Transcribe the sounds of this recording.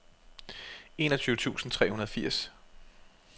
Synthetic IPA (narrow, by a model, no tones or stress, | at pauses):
e̝̰ːnɒt͡sʰyːʊət͡sʰṵːsn̩t͡sʰʁɛ̰ːhunɐð̞ˠfiɐ̰s